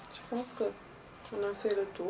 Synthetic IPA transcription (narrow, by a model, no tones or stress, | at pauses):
t͡ʃpunskə | ɨnafelət̪u